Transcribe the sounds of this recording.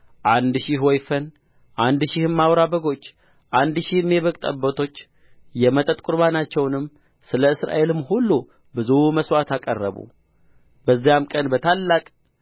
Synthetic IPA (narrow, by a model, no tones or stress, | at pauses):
ʔand̪ʃɪhwɔjfən | ʔand̪ʃɪhɨmːawɾabəɡo̞t͡ʃː | ʔand̪ʃihɨmːjɛβəkʼt̪ʼə̰bːət̪ʰo̞t͡ʃː | jɛmət̪ʼət̪ʼkʼuɾβanat͡ʃːɛwnɨmː | sɨləɨsɾa̰ʔe̞lɨmːhulːu | bɨzuməswat̪akʼərːə̰βṵ | bəzːijamkʼənbət̪ʰalːakʼ